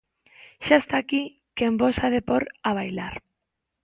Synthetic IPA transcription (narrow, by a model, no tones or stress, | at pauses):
ʃaest̪aki | kembosaðepoɾaβ̞ajlaɾ